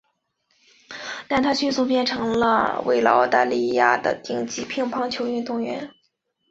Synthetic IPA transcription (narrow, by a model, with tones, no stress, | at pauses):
t̪a˥˧nt̪ʰa˥ɕy˥˧nsu˥˧pjɛ˥˩nʈ͡ʂʰɤ˧˥ŋlə̰˧wḛ˧˥˩ɪlɑ̰˧˥ɑ̰˥ʊt̪a˥˧li˥˧ja̰˥˩d̪ə̰˩t̪i˥˩ŋt͡ɕi˥˩pʰi˥ŋpʰɑ˥ŋt͡ɕʰjo˧˥ʊy˥˧nt̪ʊ˥˩ŋɥɛ˧˥n